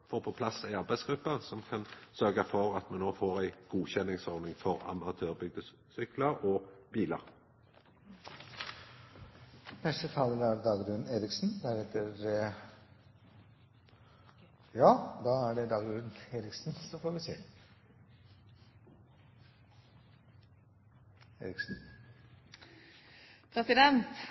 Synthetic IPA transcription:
foːʁpʰɔpʰlɑsæɪɑʁbæɪsɡ̥ɾʉpːəsɔmkʰɑnsœʁɡəfɔʁɑt̪mɑnːoːfoːʁæɪɡ̥uːçɛnːɪŋsɔɾd̪nɪŋfɔʁɑ̰mɑt̪ʰøːʁbʏɡ̚d̪ə | sʏkləɾɔbiːlə̰ʁ | fɛʂʈ̪ət̪ʰɑːləd̪æɾd̪ɑːɡɾʉnneːɾɪksn̩d̪æɾɛt̪ːəɾ | jɑːd̪ɑːæɖɛd̪ɑːɡd̪ʉːnneːɾɪksnsɔfoːɾʋɪsḛː | ḛːɾɪksn̩ | pʰɾɛsɪd̪ɛnt̪

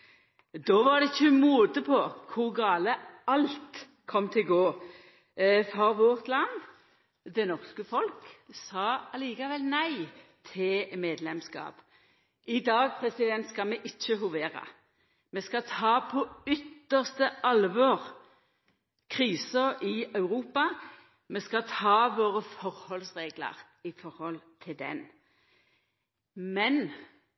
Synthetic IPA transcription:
d̪ɔːʋɑʁd̪ɛɪçːəmuːd̪əpʰɔkʰʊʁɡɑːləɑlt̪ | kʰɔmːt̪ʰɪɡoː | fɔʁʋɔʁt̪lɑn | d̪ɛnɔʁskəfɔlksɑːɑliːkɑʋɛlnæɪt̪ʰɪlmeːd̪lɛmskɑ̰ːp | ɪd̪ɑːɡ̚pʰʁɛsɪd̪ɛnt̪skɑmɛʔɪc͡çːəɦʊʋeːʁɑ̰ | mɛskɑt̪ʰɑːpʰɔʏt̪ːəʁst̪əʔɑlʋɔʁ | kʰʁiːsəʁɪɑʉʁuːpɑ | mɛskɑt̪ʰɑːʋoːʁəfɔʁhɔlsʁeːɡlə̰ʁ | ɪfɔʁhɔlt̪ʰɪld̪ɛ̰n | mɛn

